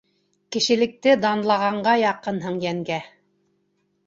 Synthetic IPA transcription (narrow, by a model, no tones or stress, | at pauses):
kɘ̆ʃɘ̆lɘ̆k̚t̪ɘd̪ɑnlˠɑʁɑɴɢɑjɑqɤnɦɤɴjæŋɡæ